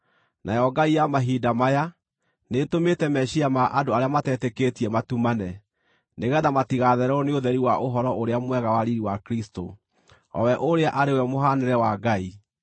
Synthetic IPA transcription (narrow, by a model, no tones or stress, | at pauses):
nʔajɔɡaijamaɦiːdamaja | netometɛmɛɕiamaʔadoaɾeamatɛːteketiɛmatumanɛ | neɣɛðamatiɣaðɛɾɔneoðɛɾiwaʔoɦɔɾɔʔoɾeamwɛɣawaɾiɾiwakɾisto | ɔ̰wɛʔoɾeaʔaɾewɛmoɦanɛɾɛwaɡai